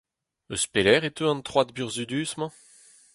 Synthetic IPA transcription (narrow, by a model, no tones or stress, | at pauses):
ø̰spelɛːʁet̪øɑ̃nt̪χwad̪̚byʁzyd̪yːsmɑ̃